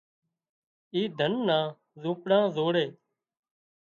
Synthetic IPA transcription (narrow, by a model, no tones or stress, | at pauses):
iːd̪ʱənːãː | zũːpɽãːzoːɽeː